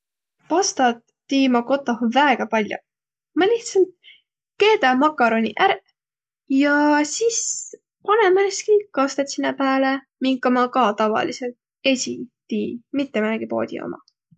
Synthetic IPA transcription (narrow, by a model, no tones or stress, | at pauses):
pɑst̪ɑt̪ːiːmɑko̞t̪ːˑɑhuvæeɡ̥ɑpɑlʲjo̰ | mɑliht̪sɑlt̪̚ | ke̞ːd̪ɑmɑkːˑɑɾo̞nʲḭʔæɾ | jɑsis | pɑnemːæeskikɑst̪et̪sinːepæːle | miŋkːɑmɑkɑt̪ɑvɑ̰liselt̪̚ | e̞sʲḭt̪iːmit̪ːemænɡ̥ipo̞̰ːd̪ʲḭo̰mɑ̰